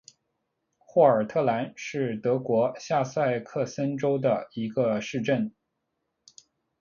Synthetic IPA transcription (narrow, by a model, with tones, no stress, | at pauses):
xwɔ˥˩ə˞˨˩t̪ʰɤ˥˩la˧˥nʂɻ̩˥˩t̪ɤ˧˥kwɔ˧˥ɕja˥˧sa˥˧ɪkʰɤ˥˩sə˥nʈ͡ʂo˥ʊd̪ə˨i˧˥ɡə˧ʂɻ̩˥˧ʈ͡ʂə˥˩n